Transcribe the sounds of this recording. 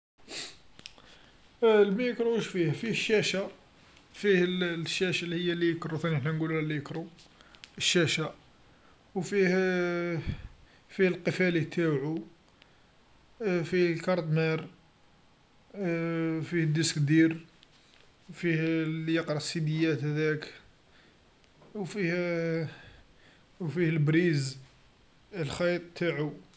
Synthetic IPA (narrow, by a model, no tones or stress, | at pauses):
lmæjəkɾuʃfihfihəʃːæʃæ | fihəlʃːæʃælːihəjːælːijəkɾut̪æniħnænɡullælːijəkɾu | əʃːæʃæ | wfih | fihlqəfælit̪ʰæʕu | fihlkɑɾˤt̪mæɾ | fihəd̪ːəskd̪iɾ | wfihlijəqɾɑsid̪əjːæt̪hæd̪æk | wfih | wfihəlbɾiz | əlxɑjt̪ˤt̪ʰːaʕu